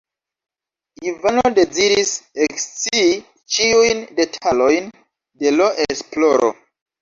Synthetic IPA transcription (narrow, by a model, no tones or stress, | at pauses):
ivanode̞ziɾisekst͡siː | t͡ʃiujnde̞tʰalo̞jn | de̞loʔesplo̞ɾo̰